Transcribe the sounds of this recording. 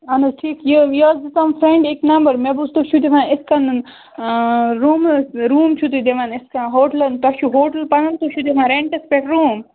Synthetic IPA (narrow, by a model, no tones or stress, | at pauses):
ɐnɐʈʰiːkjujod̪isɐmfɾẽɳɖiknɐmbəɾmebust̪oʃʰud̪iʋãɪskɐn | ɾuːmɾuːmt͡ʃʰut̪ud̪eʋɐ̃niskãɦoːʈlɐnt̪ɐʃuɦoːʈəlpɐnɐnt̪ot͡ʃʰud̪eʋãɾeɳʈɐspeʈɾuːm